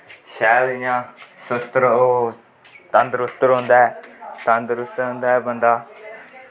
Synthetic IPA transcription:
ʃɛːlɪ̃jãːsʊst̪ɾoː | t̪ə̃nd̪ɾʊst̪əɾɦʊ̃nd̪aːɛːt̪ə̃nd̪ɾʊst̪əɾɦʊ̃nd̪aːɛːbənd̪aː

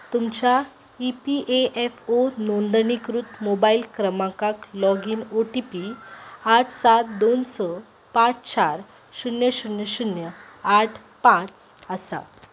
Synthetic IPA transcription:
t̪umt͡ɕa | ipiʔeefonond̪ənikɾut̪mobailkɾəmãkaklɔɡiːnoʈipiaʈʰsat̪̚d̪onsɔ | pãt͡st͡ɕaɾ | ɕunjəɕunjəɕunjəaʈʰ | pãt͡s | əsa̰

